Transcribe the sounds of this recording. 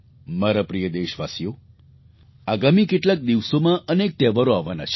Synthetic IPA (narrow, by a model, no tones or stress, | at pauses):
maɾapɾijəd̪eʃʋasijo | aɡamikeʈlak̚d̪iʋsomãʔənek̚t̪ɛʋaɾoaʋːana̰t͡ʃʰ